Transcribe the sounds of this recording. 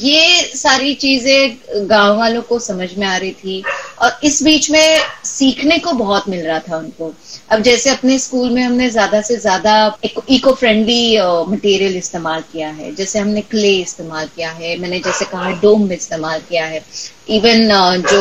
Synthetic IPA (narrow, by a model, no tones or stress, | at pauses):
jeːsaːɾit͡ʃiːzẽɡãːʋʋaːlõkosɐməd͡ʒʱmẽaːɾɐɦit̪ʰiɔːɾɪsbiːt͡ʃmẽsiːkʰnekobɐɦɔt̪mɪlɾɐɦat̪ʰaʊnkoɐbd͡ʒɛːseɐpneskuːlmẽɦɐmnezjaːd̪asezjaːd̪akiːkofɾɛ̃ɳɖlimɐʈiːɾijəlɪst̪eːmaːlkijaɦɛ̰ːd͡ʒɛːseɦɐmnekleːɪst̪eːmaːlkijaɦɛːmɛ̃ːned͡ʒɛːsekɐɦaɦɛɖoːmːẽɪst̪eːmaːlkijaɦɛː | iːʋənd͡ʒoː